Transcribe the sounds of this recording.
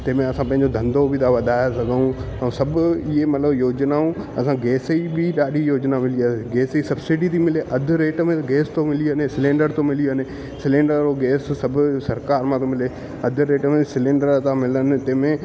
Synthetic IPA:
t̪ɐ̃ːmẽɐsãpɐ̃ɦɪ̃ɲd͡ʑod̪ʱɐ̃nd̪obɪt̪ʰaʋɐd̪ʱaːjasɐɡʱəũɐ̃sɐbʱʊɪɦemɐt̪ləbjoːd͡ʑnaũɐsãɡeːsibiɗaːɗijoːd͡ʑnamɪliasiɡeːsisɐbsɪɖit̪ʰimɪleʔɐd̪ʱʊ̆ɾeːʈmẽɡeːst̪omɪliənesɪlẽːɳɖəɾt̪omɪliəne | sɪlẽːɳɖəɾoɡeːssɐbʱʊ̆sɐɾkaːɾmãt̪omɪle | ɐd̪ʱʊ̆ɾeːʈmẽsɪlẽːɳɖəɾt̪amɪlənɪ̆t̪ɐ̃ːmẽ

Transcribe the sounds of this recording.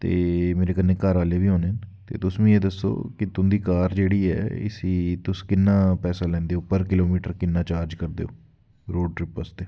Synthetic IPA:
t̪eːmeːɾeːkənːẽːkəɾʋaːleːʋiːɦoːnẽːt̪ḛːt̪ʊsmĩːeːd̪əsːo̰ːkɪt̪ʊnd̪iːkaːɾd͡ʒeːɽiːɛ̰ːɪ̰siːt̪ʊskɪnːaːpɛːsaːlɛ̃ːnd̪eːoːpəɾkɪloːmiːʈəɾkɪnːaːt͡ʃaːɾd͡ʒkəɾd̪ḛːo̰ː | ɾoːɖʈɾɪpːəsd̪eːoː

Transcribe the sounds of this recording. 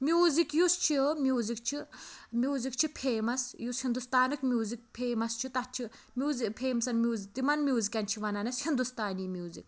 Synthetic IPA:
mjuːzikjust͡ʃʰimʲjuːzik̚t͡ʃʰimʲjuːzik̚t͡ʃʰipʰeːmɐsjushind̪ust̪aːnɨkmʲjuːzik̚pʰeːmɐst͡ʃʰit̪ɐt͡ʃʰi | mʲjuːzipʰeːmsɐnmʲjuːzik̚d̪imɐnmʲjuːzikʲɐnt͡ʃʰiʋɐnɐnɐshind̪ust̪aːniːmʲjuːzḭk̚

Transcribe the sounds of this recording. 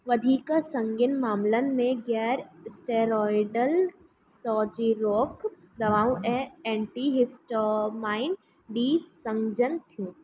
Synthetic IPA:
ʋɐd̪ʱiːkəsɐ̃ŋɡɪnmaːmlən̆mẽɡɛːɾsʈeːɾɔːjɖəl | sɔːd͡ʒiɾoːk | d̪ɐʋaːũʔɛ̃ɛ̃ːɳʈiɦɪsʈomaːɪn | ɖiːsɐ̃ŋɡd͡ʒənt̪ʰijũː

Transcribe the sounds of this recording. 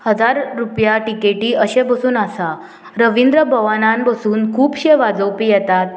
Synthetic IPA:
həd͡zaɾːupjaʈikeʈiːəɕẽbəsuːnasa | ɾəʋind̪ɾəbʱəʋanãnbəsuːnkʰuːpɕeʋad͡zəwpijɛt̪at̪̚

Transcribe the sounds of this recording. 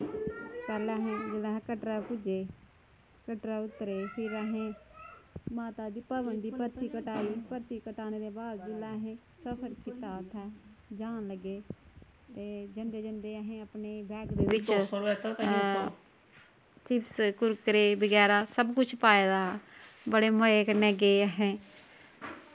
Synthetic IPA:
pɛːlɛ̃ːɦɛ̃ːd͡ʒeːlãːɦɛ̃ːkəʈɾaːpʊd͡ʒeː | kəʈɾaːʊt̪ɾeːpʰɪɾəɦẽː | maːt̪aːd̪iːpəʋənd̪iːpəɾt͡ʃiːkəʈaːiːpəɾt͡ʃiːkəʈaːneːd̪eːbaːd̪d͡ʒɪlɛːɦẽː | səpʰəɾkɪt̪aːt̪ʰɛːd͡ʒaːnləɡːeː | t̪eːd͡ʒənd̪eːd͡ʒənd̪eːəɦẽːəpneːbɛːkd̪eːʋɪt͡ʃːt̪ː | tɪpskʊɾkəɾeːbəɡɛːɾaːsəbkʊt͡ʃʰpaːed̪aːbəɽeːməeːkəneːɡeːəɦẽː

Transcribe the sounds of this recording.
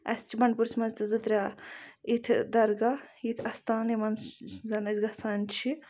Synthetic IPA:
ɐ̰st͡ʃʰibɐɳ̚puɾsʰʲmɐzt̪ɨzɨt̪ɾʲait̪ʰd̪ɐɾɡɐjit̪ʰɐst̪aːnimɐnzɐnɐzɡɐsaːnt͡ʃʰi

